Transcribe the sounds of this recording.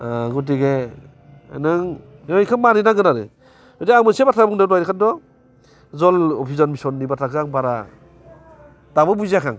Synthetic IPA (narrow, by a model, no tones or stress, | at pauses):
aɡut̬iɡḛ | nɯŋ | ɔikʰɯmmaɾinaɡɯnaɾɯ̰ | ɔtiaŋmɯsebatʰabɔŋdadajɾɯkʰandɔ | zɔlɔpʰizɔnbisɔnːibatʰakʰaŋbaɾa | d̥abɯbuzakʰaŋ